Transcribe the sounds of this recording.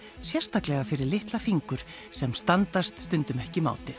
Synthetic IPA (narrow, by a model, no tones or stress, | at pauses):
sjɛr̥st̪aklɛɣafɪɾɪɾlɪht̪lafiŋkʏɾ̥ | sɛmst̪ant̪ast̪st̪ʏnt̪ʏmɛhcɪma̰ːwt̪ɪθ